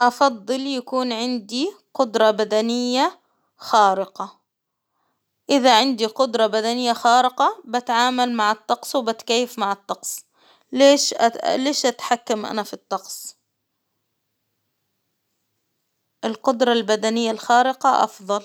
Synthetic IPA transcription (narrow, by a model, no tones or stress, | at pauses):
ʔɑfɑd̪ˤːɨljakuːnʕɪnd̪iqʊd̪ɾˤɑbad̪anɪjːa | xaːɾɪqɑ | ʔɪðaʕɪnd̪iqʊd̪ɾˤɑbad̪anɪjːaxaːɾɪqɑbat̪ʕaːmalmaʕɪt̪ˤːɑqsˤwɪbat̪kajːɪfmaʕɪt̪ˤːɑqsˤ | leːʃleːʃʔat̪ħakːamʔa̰nafit̪ˤːɑqsˤ | ʔɪlqʊd̪ɾˤɑlbad̪anɪjːalxaːɾɪqɑʔɑ̰fðˤɑl